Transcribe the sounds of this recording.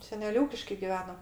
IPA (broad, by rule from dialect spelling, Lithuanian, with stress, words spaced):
sʲɛˈnʲɛlʲ ˈuːkʲɪʃkɐɪ ɡʲɪˈʋʲæːnoː